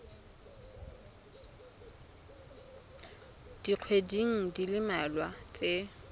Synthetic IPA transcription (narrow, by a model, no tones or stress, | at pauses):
d̥iq͡χʰwediŋ̩dilɪmɛlwat͡sʼe